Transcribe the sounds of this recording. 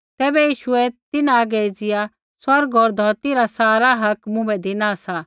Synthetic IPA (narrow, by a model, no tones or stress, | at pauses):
t̪ɛːbɛjiːʃʊɛt̪ɪnãaɡɛd͡zɪja | swɐɾɡɔːɾd̪ʱɔːt̪iɾasaːɾaɦɐkmʊ̃bɛd̪ɪnasa